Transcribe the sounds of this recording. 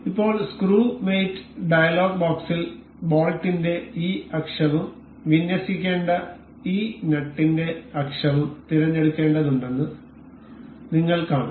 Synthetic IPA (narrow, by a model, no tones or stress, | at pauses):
ipːo̞ːɭskruːmejtːɨ̥ɖɐjɐloːɡ̚baːksil | boːlʈːinde̞iːɐkʂɐʋum | ʋinjɐsikʲːe̞ːɳɖɐ | iːnɐʈːinde̞ɐkʂɐʋumt̪iɾɐɲːeɽukːe̞ːɳɖɐðuɳɖe̞nːɨ | niŋːɐɭkaːɳu